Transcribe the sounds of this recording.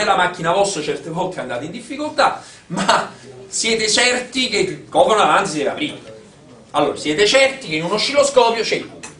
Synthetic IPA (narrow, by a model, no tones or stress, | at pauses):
elamak̟ːinavɔsːot͡ʃɛrt̪evɔk̪ːeand̪aːt̪eind̪ifːikolt̪a | masjɛːt̪et͡ʃɛrt̪ik̟ekːɔːpɾonoalans̬id̪ela̰pɾiːma | alːo̰ːɾasjɛːt̪et͡ʃɛrt̪ikeinunoʃiloskɔːpjot͡ʃe